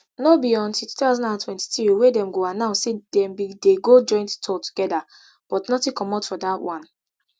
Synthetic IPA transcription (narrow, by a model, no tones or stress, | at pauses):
nobiɔ̃ntitu̥tazɔ̃ndãntʰwɛ̃nti̥θɹiwedɛ̃mɡoãnːaʊsedɛ̃mbideɡod͡ʒɔ̃ɪ̃nttʰɔtu̥ɡ̥ɛda | b̥ɔtnɔtĩkɔmɔtfɔdatwɔ̃n